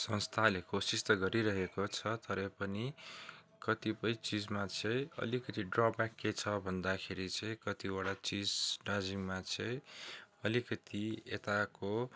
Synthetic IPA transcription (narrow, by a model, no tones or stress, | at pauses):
sʌ̃nst̪ʰalekosist̪ʌɡʌɾiɾʌɦekot͡sʰʌt̪ʌɾʌpʌni | kʌt̪ipʌjt͡sid͡zmat͡sʰʌj̃ʌ̰likʌt̪iɖrʌpbakːet͡sʰʌbʱʌnd̪akʰeɾit͡sʌ̃j̃kʌt̪iwaɽat͡sid͡zɖad͡ziŋmat͡sʰʌjʌlikʌt̪iet̪ako